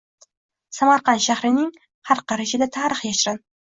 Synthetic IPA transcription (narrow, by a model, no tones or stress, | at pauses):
samaɾqɑnʃahɾɪnɪŋ | haɾqɑɾɪʃɪd̪at̪ʰaːɾɨχjaʃɪɾɪn